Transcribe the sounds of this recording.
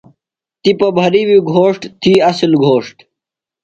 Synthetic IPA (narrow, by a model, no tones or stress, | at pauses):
t̪ipɐbʱɐɾiwiɡʱoːʂʈt̪ʰiɐslɡʱoːʂʈ